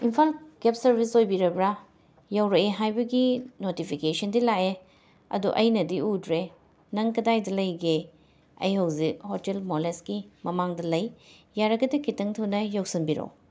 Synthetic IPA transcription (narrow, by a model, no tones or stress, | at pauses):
impʰalɡep̚sɐɾbʱisojbiɾɐbɾa | jawɾɐeɦajbɐɡinotipʰikesɐndilae | ɐ̰duʔɐjnɐdiudɾe | nɐŋkɐdajdɐlɐjɡe | ɐ̰jhɐwzik̚hotelmolesɡimɐmaŋdɐlɐjjaɾɐɡɐdɐkitɐŋtʰɐwnɐjowsinbiɾo̰